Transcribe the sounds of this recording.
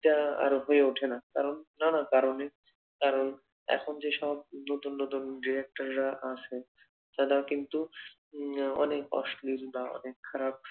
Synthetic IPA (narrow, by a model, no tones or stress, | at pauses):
ʈaa̰ɾɦoeuʈʰenakaɾonːanakaɾone | kaɾon | ɛ̰kʰond͡ʑeʃɔb̚not̪unːot̪unɖiɾek̚ʈaɾɾaʔat͡ʃʰe | t̪ad̪akint̪u | ɔ̰nekɔ̰ʃlilbaɔ̰nekʰːaɾab̚